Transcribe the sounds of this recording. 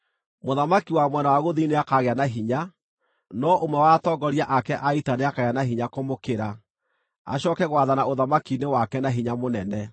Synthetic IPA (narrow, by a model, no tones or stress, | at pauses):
moðamakiwamwɛnawaɣoðineakaɣeanaɦiɲa | nɔʔomwɛwatɔɡɔɾiaʔakɛʔaitaneakaɣeanaɦiɲakomokeɾa | a̰ɕɔkɛɣwaðanaoðamakinewakɛnaɦiɲamonɛnɛ